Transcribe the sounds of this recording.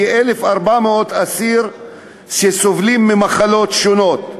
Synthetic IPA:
ʔelefaɾbameot̪asiɾ | ʃesovlimːemaχalot̪ʃonot̪

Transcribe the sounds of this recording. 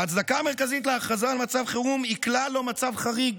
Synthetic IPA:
at͡sd̪akaːme̞ʁkazit̪leaːχazalmat͡savχeʁumiklalo̞mat͡savχaʁiɡ

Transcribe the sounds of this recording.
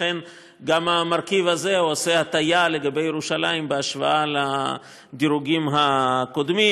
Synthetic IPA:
en | ɡamamaɾkivhaze̞uasehat̪ajale̞ɡabe̞jeɾuʃalajimbeaʃva̰ʔala | d̪iɾuɡimɦako̞d̪mi

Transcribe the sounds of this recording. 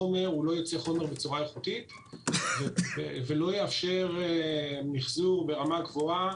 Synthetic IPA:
ome̞ʁulo̞jot͡seχo̞me̞ʁbe̞t͡suʁajeχutit̪ | veevelo̞jeafʃe̞ʁemiχzuʁbe̞ʁamaɡvua

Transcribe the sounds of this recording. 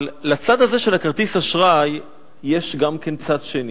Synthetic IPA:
llat͡sad̪hazeʃe̞lakaʁt̪ishaʃʁajː | eʃɡamke̞nt͡sad̪ʃeni

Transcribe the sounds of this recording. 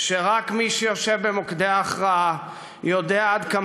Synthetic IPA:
ʃeʁakmiʃejoʃevbemokd̪eaːχʁaa | jo̞d̪eaad̪ka

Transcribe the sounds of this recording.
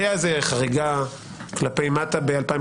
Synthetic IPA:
azeχaʁiɡa | klape̞jmatabealpaĩ

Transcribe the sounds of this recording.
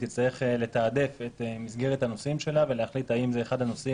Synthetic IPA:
t̪it͡sajeχele̞taːd̪e̞fe̞temisɡe̞ʁethano̞simʃe̞lave̞lehaχlit̪aimzeːχad̪hano̞si

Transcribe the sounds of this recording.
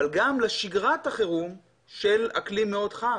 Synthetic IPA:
alɡamleʃiɡʁataχeʁum | ʃela̰klimeo̞dχa

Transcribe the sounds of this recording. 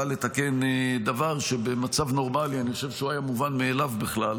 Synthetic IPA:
ale̞t̪ake̞nd̪avaʁʃebemat͡savno̞ʁmalianiχoʃevʃeuajamuvanmeːlavbiχlal

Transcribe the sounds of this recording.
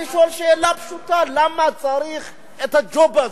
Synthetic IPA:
iʃoʃɛlapʃutʰalamat͡sʼaɾix | ɛt̪ad͡ʒoba

